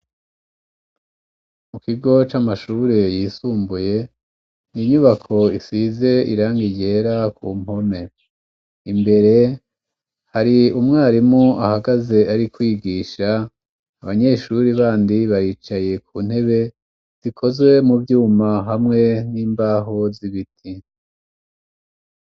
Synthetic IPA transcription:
mukiɡo̞t͡ʃamaʃuːɾe̞jiːsuːmbuje̞ | niɲuβakʰo̞isize̞ḭɾaːŋɡiɟe̞ɾakuːmho̞ne̞ | imbe̞ɾe̞ | haɾiumŋaːɾimuʔahaɡaze̞aɾikwiːɡiːʃaː | βaɲe̞ːʃuɾiβaːndiβaɾiːt͡ʃaje̞kʰuːn̥he̞βe̞ | z̥ikʰo̞zwe̞muvjuːmaɦamŋe̞niːmbaːɦo̞ziβitʰi

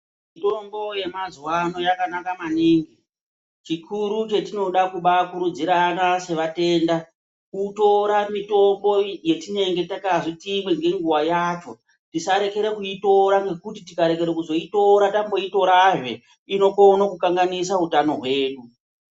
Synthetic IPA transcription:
mmito̞mbo̞je̞mazuwano̞jakanakamaniːŋɡi | t͡ʃikʰuɾut͡ʃe̞tino̞ɗakuɓakuɾud͡ziɾanase̞ʋate̞ːnda | kuto̞ɾamito̞mbo̞je̞tine̞ŋɡe̞takaʐitimweŋɡe̞ŋɡuwajat͡ʃo̞ | tisaɾe̞ke̞ɾekuito̞ɾaŋɡe̞kutitikaɾek̬e̞ɾekuzo̞ito̞ɾatambo̞ito̞ɾaʐe̞̰ | ino̞konokukaŋɡanisautano̞ɦwe̞ːɗu

